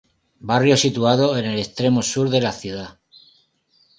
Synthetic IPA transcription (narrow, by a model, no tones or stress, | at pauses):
barjo̞sit̪uað̞o̞e̞ne̞le̞st̪ɾe̞mo̞suɾðe̞laθjuða